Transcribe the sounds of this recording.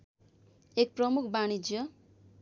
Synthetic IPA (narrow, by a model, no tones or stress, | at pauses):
ek̚prʌmukʰbañid͡ʒjʌ